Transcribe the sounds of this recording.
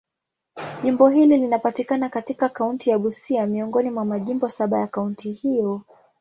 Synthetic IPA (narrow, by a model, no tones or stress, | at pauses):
ʄimbɔɦililinapatikanakatikakauntijaɠusiamiɔŋɡɔnimwamaʄimbɔsaɓajakauntʰihijɔ